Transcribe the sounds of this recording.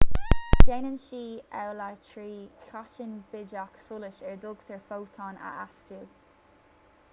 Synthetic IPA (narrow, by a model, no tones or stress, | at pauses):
d̥eːnənʃiːɛwlat͡ʃʰɹiːkʰat͡ʃɪnb̥ɪd͡ʒaksʊlɪʃɛɹd̪ʊɡ̥t̪ʰəɹfowt̪ʰɔna̰ʔastu